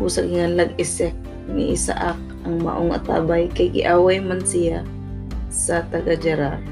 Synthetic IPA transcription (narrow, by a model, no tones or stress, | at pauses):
busaɡɪŋanlaɡ̚ɪsɛk̚ | ŋɪ̰ʔɪsa̰ʔak̚ | aŋma̰ʔoŋa̰t̪a̰ːbajkajɡɪ̰ʔaːwajmansɪja | sat̪aɡad͡ʒaɾar